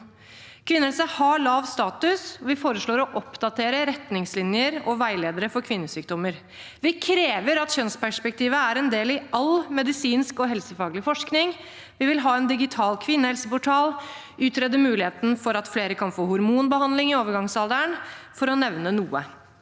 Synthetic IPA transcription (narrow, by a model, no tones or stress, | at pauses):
kʰʋɪnəɛlsəhɑɭɑːʋst̪ɑːt̪ʉsɔʋɪfoːɾəʂɭoːɾɔʔɔpd̪ɑt̪ʰeːɾəɾɛt̪nɪŋslɪnjəɾɔʋæɪleːd̪əɾəfɔɾkʰʋɪnːəsyːk̚d̪ɔmːəɾ | ʋɪkʰɾeːʋəɾɑt̪çœnspæʂpɛk̚t̪ʰiːʋəæɾɛnd̪eːlɪɑlmɛd̪ɪsiːnskɔɦɛlsəfɑːɡlɪfɔʂknɪŋ | ʋɪʋɪlɦɑːɛnd̪ɪɡɪt̪ʰɑːlkʰʋɪnːəhɛlsəpʊʈʰɑːl | ʔʉːt̪ɾɛːd̪əmʉːlɪheːt̪nfɔɾɑt̪fleːɾəkʰɑnfoːhʊɾmuːnbəhɑnd̪lɪŋɪoːʋəɾɡɑŋsɑlˠd̪æɳfɔɾɔnɛʋnənuːə̰